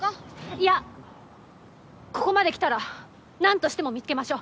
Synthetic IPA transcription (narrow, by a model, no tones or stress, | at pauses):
ia | ko̞ko̞mad̪e̞kʲi̥t̪aɾa | nãnt̪o̞ɕi̥t̪emo̞mʲit͡sɨ̥ke̞maɕo̞ː